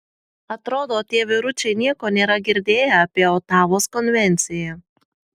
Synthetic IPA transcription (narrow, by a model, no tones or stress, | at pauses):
ɐt̪ɾoːd̪oːt̪ʲiɛːʋʲɪɾʊt͡ʃʲɛɪnʲiɛkoːnʲeːɾɐɡʲɪɾʲd̪ʲeːjɛɐpʲiɛɔt̪ɑːʋoːskɔnʲʋʲɛnʲt̪sʲɪjɛ